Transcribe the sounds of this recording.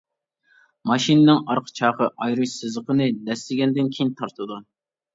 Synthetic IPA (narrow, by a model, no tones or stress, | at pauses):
mɑʃinɨnɪŋɑɾqʰə̥t͡ʃʰɑːχəʔɑjɾuʃsɨzəqʰənɨd̪ɛst̪ɪɡʲɛnd̪ɪnkʲʰejint̪ʰɑɾt̪ʰɨd̪u